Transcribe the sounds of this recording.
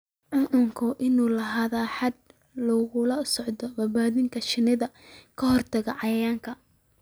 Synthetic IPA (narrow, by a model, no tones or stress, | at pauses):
ʕʊnʊŋkʰʊʔɪnuːlɐɦaːðaːħɑd̪̚ | lɔːɣʊlɐsɔʕd̪ɔbɐbaːðɪŋkʰɐʃɪnɪðɐ | kʰɐɦɔrt̪ʰɐɣɐʕɑjɐjaːŋkʰɐ